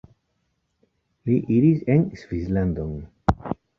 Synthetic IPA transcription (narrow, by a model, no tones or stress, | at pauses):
liʔiɾizensvislãnd̪õn